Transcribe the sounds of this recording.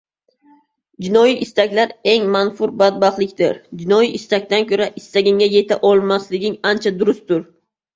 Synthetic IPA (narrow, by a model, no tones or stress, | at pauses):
d͡ʒɪnɒjiʔɪst̪akʲlaɾe̞ŋmanfʊɾbad̪̚bɑχlˠɪkʲd̪ɪ̰ɾd͡ʒɪnɒjiʔɪst̪ak̚ʲt̪ankʲʰɵɾaʔɪst̪aɡʲɪŋʲaje̞t̪ʰaʔɒlˠmaslɪɡʲɪŋant͡ʃʰad̪ʊɾʊsd̪ʊɾ